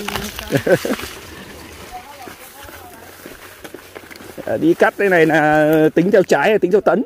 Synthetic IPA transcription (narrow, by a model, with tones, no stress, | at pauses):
a˨˩ɗi˧˦ka˦˥t̚ɗə˨˧˦na˨˩jnaː˨˩t̪ï˨˦ŋ̟t̪ʰɛ˧wt͡ɕaː˨˦ja˨t̪ï̟˨˦t̪ʰwt̪ə˨˦n